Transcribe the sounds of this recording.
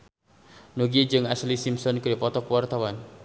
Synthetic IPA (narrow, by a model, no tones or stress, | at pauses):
noɡid͡ʒɨŋaslisimsɔnkəɾipɔt̪ɔkwart̪awan